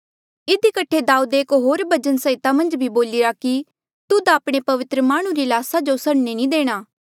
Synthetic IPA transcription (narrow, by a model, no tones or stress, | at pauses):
ɪd̪ikəʈʰed̪aːuːd̪eːkɦoːɾbɐd͡ʒənsəɪt̪amɐ̃nd͡ʒbʱiboːlɪɾaki | t̪ʊd̪apɽ̃epɐʋɪt̪ɾəmaːɽ̃ũɾilaːsad͡ʒosɐɽnenĩd̪eːɽ̃aː